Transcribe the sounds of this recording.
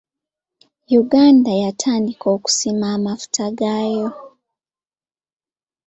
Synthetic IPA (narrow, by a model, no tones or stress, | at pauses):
juɡaːndajatʰaːndikoːku̥simaːmafu̥tʰaɡaːjo̞